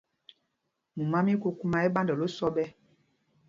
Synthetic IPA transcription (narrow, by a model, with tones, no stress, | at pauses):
mu˨mã˦mĩ˦ko˦ku˦mã˨e˦ɓã˦ndɔ˨lo˦sɔ˦ɓɛ˦